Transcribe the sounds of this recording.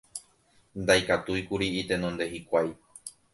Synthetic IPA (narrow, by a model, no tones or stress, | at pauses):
nd̪ajkat̪ujkuɾiit̪e̞nõnd̪e̞hikʷaj